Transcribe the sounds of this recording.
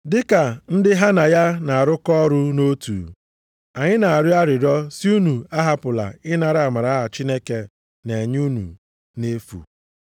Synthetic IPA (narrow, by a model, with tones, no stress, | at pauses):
dɪ˦ka˨n̩˦dɪ˦ɦa˦na˨ja˦na˨a˨ɾʊ˦kɔ˦ɔ˦ɾʊ˦no˦tṵ˨ | a˨ɲɪ˦na˨a˨ɾɪ˦a˦ɾɪ˨ɾɔ˦si˦u˦nu˨a˦ɦa˦pʊ˨la̰˨ɪ˦na˨ɾɪ˦a˨ma˨ɾa˨˦ɦa˨t͡ʃi˦ne˦ke˦ | ne˨ɲ˦u˦nṵ˨ | ne˦fṵ˨